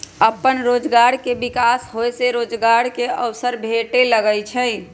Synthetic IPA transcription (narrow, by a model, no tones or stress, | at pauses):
əpːənɾoːd͡ʒɡaɾkebikasɦojseɾoːd͡ʒɡaɾkeəwsəɾbʱeʈeləɡəjt͡ʃʰəj